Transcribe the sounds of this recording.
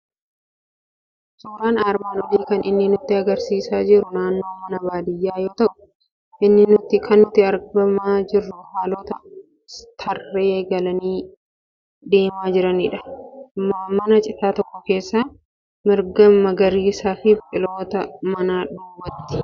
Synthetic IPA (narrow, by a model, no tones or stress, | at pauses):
suːɾaːnaːɾmaːnɔd͡ʒiːkɐnɪnːɪnʊt̪ːɪɐɡɐɾsiːsaːd͡ʒɪɾʊnaːnːo̞ːmɐnɐbaːd̪ɪjːaːjo̞ːt̪ɐʔʊ | ʔɪnːɪnʊt̪ːɪkʰɐnːʊt̪ːɪɐɾbɐmaːd͡ʒɪrːʊhaːlɔːt̪ɐ | st̪ʰɐrːe̞ːɡɐlɐniː | d̪e̞ːmaːd͡ʒɪɾɐniᶑɐ̥maːmɐnɐt͡ʃʼɪt̪aːt̪ɔkːɔke̞ːsːaː | mɪɾɡɐmɐɡɐɾiːsaːfɪpʼɪlo̞ːt̪ɐmɐnaːᶑuːwːɐt̪ːɪ̥